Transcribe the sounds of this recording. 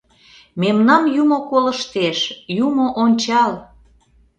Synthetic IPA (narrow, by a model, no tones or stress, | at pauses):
memnɑmjumokoləʃt̪eʃjumoʔonʲt͡ɕɑl